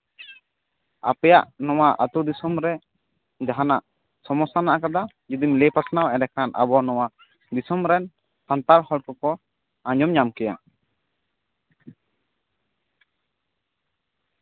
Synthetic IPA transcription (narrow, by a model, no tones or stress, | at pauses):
a̰pɛjaʔnɔwaʔat̪ud̪isɔmɾɛ | d͡ʒaɦanaʔ | sɔmɔsanaʔakad̪a | d͡ʒud̪imlɛpɾat̪nawɛnɛkanʔa̰bɔnɔwa | d̪isɔmɾɛn | sant̪aɾhɔɽkɔkɔ | ãɲɔmɲamkɛja